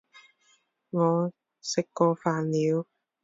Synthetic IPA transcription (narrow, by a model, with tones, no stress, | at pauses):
ŋɔː˨˧ | sɪ˨kːɔː˧faː˨˧nliː˨˧w